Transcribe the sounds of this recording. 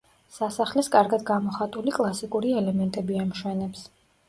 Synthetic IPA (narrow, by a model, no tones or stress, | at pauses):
sasaχlɛskʼaɾɡad̪ɡamɔχat̪ʼulikʼlˠasikʼuɾiɛlɛmɛnt̪ʼɛbiamʃwɛnɛps